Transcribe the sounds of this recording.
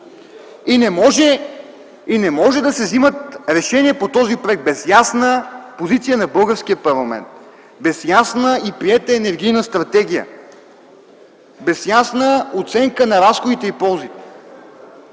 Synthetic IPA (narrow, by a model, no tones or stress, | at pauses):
inɛmɔʒɛ | inɛmɔʒɛd̪ɐsɛvzimət̪ɾɛʃɛniɛpot̪ɔzipɾoɛk̪̚bɛsjasnəpozit̪sijənɐbɤlˠɡəfskʲiəpɐɾlˠɐmɛ̰nt̪ | bɛsjasnəipɾiɛt̪əɛnɛɾɡʲijnəst̪ɾɐt̪ɛɡ̟ijə̰ | bɛsjasnəot̪sɛŋkənɐɾasxod̪it̪ɛipɔlˠzit̪ɛ̥